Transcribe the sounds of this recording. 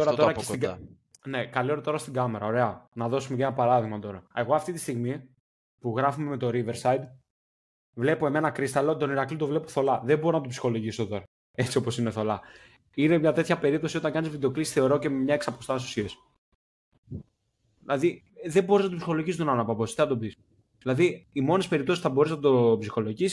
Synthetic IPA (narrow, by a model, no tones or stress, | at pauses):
oɾɐt̪oɾɐesi | ne̞kalio̞ɾɐt̪o̞ɾɐst̪iɡɐme̞ɾɐo̞ɾe̞ɐnɐðo̞sumecnɐpɐɾɐðiɣmɐt̪o̞ɾɐe̞ɣo̞ɐft̪it̪ist̪iɣmi | puɣɾɐfume̞me̞t̪o̞ɾive̞ɾsɐjd̪ | vle̞poe̞me̞nɐkɾist̪ɐlot̪o̞niɾɐklit̪o̞vle̞poθo̞lɐðebo̞ɾonɐt̪opsi̥xo̞lo̞ʝisot̪o̞ɾɐ | e̞t͡sio̞po̞sineθo̞lɐ | inemɲɐt̪e̞t̪çɐpe̞ɾip̚t̪o̞sio̞t̪ɐŋkɐnizvid̪eo̞klisθe̞o̞ɾo̞ce̞mmɲɐe̞ksɐpo̞st̪ɐsosies | ðilɐði | ðe̞bo̞ɾiznɐt̪opsixo̞lo̞ʝist̪onɐnɐpɐbo̞st̪inɐt̪o̞bis | ðilɐðiimo̞ne̞speɾip̚t̪o̞ssθɐbo̞ɾiznɐt̪o̞psixo̞lo̞ʝis